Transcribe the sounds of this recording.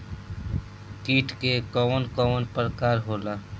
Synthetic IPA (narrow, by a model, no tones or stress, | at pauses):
kiːʈʰkekɔwənkɔwənpəɾkaːɾɦoːlaː